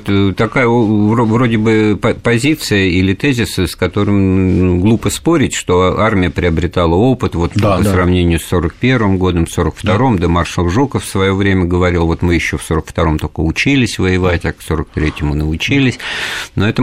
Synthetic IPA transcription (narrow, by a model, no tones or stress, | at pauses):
t̪t̪ɐkajəvɾovɾo̞dʲɪbɨpɐpɐzʲit̪sɨjəilʲɪt̪ezʲɪsɨskɐt̪o̞ɾɨmɡlˠupəspo̞ɾʲɪtʲʂt̪o̞armʲɪjəpɾʲɪɐbɾʲɪt̪alˠəo̞pɨt̪vo̞t̪apəsrɐvnʲenʲɪjʊsːo̞ɾək̚pʲe̞rvɨmɡo̞d̪əmso̞ɾəkft̪ɐɾo̞md̪əmarʂlˠxʐukəffsvɐjo̞vɾʲemʲəɡəvɐɾʲilˠvo̞t̪mɨjɪɕːo̞fso̞ɾəkft̪ɐɾo̞mt̪o̞kəʊt͡ɕilʲɪsʲvəjɪvatʲakso̞ɾək̚t̪ɾʲetʲɪmʊnəʊt͡ɕilʲɪsʲnoɛt̪ə